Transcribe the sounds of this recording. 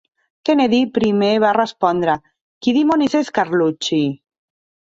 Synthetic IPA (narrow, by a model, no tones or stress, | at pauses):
keneðipɾimeβarespɔnd̪ɾa | kiðimoniseskaɾlut͡ʃi